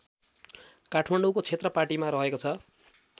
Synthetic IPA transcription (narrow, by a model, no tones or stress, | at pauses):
kaʈʰmaɳɖukot͡sʰet̪rʌparʈimaɾʌɦekot͡sʰʌ